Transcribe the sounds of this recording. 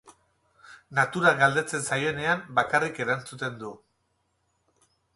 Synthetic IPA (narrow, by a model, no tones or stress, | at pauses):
nat̪uɾaɣald̪e̞t͡se̞nsaje̞ne̞ambakarike̞ɾant͡sut̪e̞nd̪u